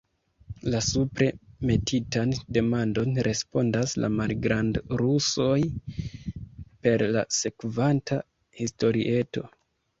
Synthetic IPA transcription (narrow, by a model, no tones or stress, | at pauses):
lasupɾe̞me̞tʰitande̞mando̞nɾe̞spo̞ndasla̰malɡɾandɾuso̞j | pe̞ɾla̰se̞kvantʰa | histo̞ɾḭʔe̞to̞̰